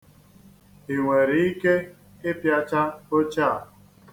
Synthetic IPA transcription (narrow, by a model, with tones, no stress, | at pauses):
i˨we˨ɾi˦ke˦ | e˦pja˦t͡ʃa˦o˦t͡ʃa˦˨